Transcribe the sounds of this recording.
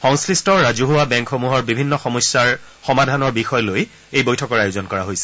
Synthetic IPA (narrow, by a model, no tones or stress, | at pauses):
xɔŋsɹistɔɹɹazuɦuabɛŋkxomuɦɔɹbibʱinːɔxɔmɔjsːaɹ | xɔmadʱanɔɹbixɔjloj | ejbojtʰɔkɔɹajuzɔnkɔɹaɦojsɛ̥